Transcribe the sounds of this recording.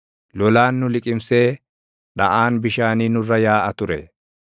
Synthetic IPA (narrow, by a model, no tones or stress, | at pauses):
lɔlaːnːʊlɪkʼɪmseː | ᶑɐʔaːnbɪʃaːniːnʊrːɐjaːʔɐt̪ʊɾɛ